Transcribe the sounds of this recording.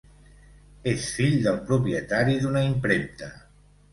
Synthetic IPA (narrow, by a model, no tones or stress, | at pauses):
esfiʎd̪əlˠpɾupɾjət̪aɾiðunaimpɾent̪ə